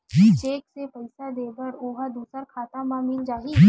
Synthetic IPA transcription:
it͡ʃeːksepɐɪsad̪eːbəɾoːɦad̪uːsəɾkʰaːt̪amãmɪld͡ʒaːɦi

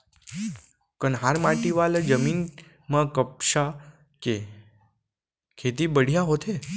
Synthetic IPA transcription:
kənɦaɾmaʈiʋaləd͡ʒəmin | mãkəp̚ʃa | ke | kʰet̪ibəɽ̤ijaɦot̪ʰe

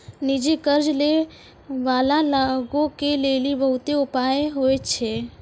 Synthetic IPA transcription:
nid͡ʒekəɾd͡ʒle | ʋaːlalaɡõkelelibəɦʊt̪eupaːeɦoet͡ʃʰe

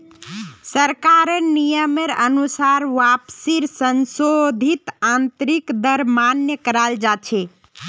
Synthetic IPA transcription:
səɾkaɾənijəmeɾə̰nusaɾʋapsiɾsənsod̪ʱit̪ant̪ɾikd̪əɾmanjəkəɾald͡ʒat͡ʃʰɛ

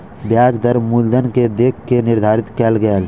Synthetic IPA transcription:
bjaːd͡ʒd̪əɾmuld̪ənked̪eːkʰːenɪɾd̪ʱaːɾɪt̪kɛːlɡɛːl

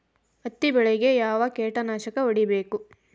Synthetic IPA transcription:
ɐt̪ːibɛɭeɡe̞jaːʋɐkeːʈɐnaːʃɐkɐoɽibe̞ːku

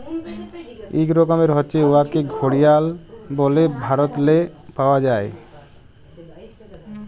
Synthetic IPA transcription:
ḭkɾɔkɔmeɾɦɔt͡ʃʰeoaɾkeɡʱoɽijalbɔlebʱaɾɔt̪lepaoad͡ʑae

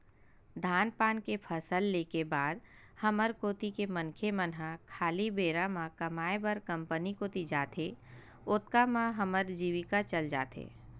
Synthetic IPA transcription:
d̪ʱaːnpaːnkepʰəsəlːeːkebaːd̪ | həməɾkoːt̪ikemənkʰemənɦãkʰaːlibeːɾamãkɐmaːebəɾkə̃mpənikoːt̪id͡ʒaːt̪ʰe | ʊt̪̚kamãɦəməɾd͡ʒiːʋɪkat͡ʃəld͡ʒa̰ːt̪ḛː

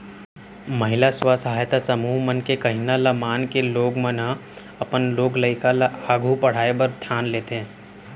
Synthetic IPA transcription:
mɐɦɪlaswasəɦaːjt̪asɐmuːɦmənkekɐɦɪnalɐmaːnkeloːɡmənə̃ | ɐpənloːɡləɪkalaːɡʱupɐɽ̤aːebəɾd̪ʱjaːnleːt̪eɦɛ̃ː

